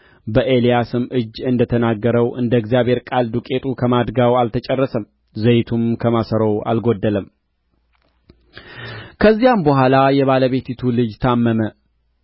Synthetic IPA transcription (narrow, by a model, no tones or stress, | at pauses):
bəʔe̞lijasɨmʔɨd͡ʒːɨnd̪ət̪ʰənaɡːəɾəwʔɨnd̪əɡzijaβhe̞ɾkʼald̪ukʼe̞t̪ʰʼukʰəmad̪ɡawalt̪ʰət͡ʃʼɛrːəsəm | zəjt̪ʰumkʰəmasəɾəwa̰lɡo̞d̪ːələm | kʰəzːijambəhʷalajɛβaləβe̞t̪it̪ʰulɨd͡ʒt̪ʰamːəmə